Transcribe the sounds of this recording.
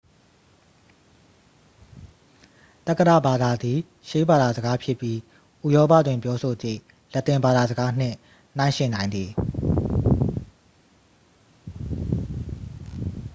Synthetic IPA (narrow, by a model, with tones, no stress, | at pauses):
t̪a˦˨kːəda̰˦˨ba˨d̪a˨d̪ði˨ | ʃe˦ba˨d̪a˨zə˨ɡa˦pʰjɪ˦˨pji˦ | ʔu˦˨jɔ˦pä̰˦˨dwɪ̃˨mpjɔ˦so˨d͡ʑḭ˦˨ | lɛ˦ʔt̪ːɪ̃˨mba˨d̪a˨zə˨ɡa˦n̥ɪ̰̃˦˨ | n̥ã˨˦ɪ̃ʃɪ̃˨nã˨ɪ̃nd̪ði˨